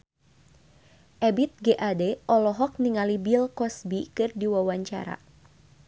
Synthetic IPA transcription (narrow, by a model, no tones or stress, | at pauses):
ʔɛbit̪̚ɡeʔadɛʔɔlɔɦɔk̚niŋalibilkɔsbikɨrdiwawaɲt͡ʃa̰ɾa̰